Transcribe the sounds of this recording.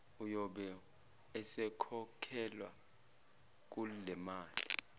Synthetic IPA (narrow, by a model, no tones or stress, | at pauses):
ujɔɓɛ | ɛsɛkʰɔkʰɛlwa | k̬ulɛmaːli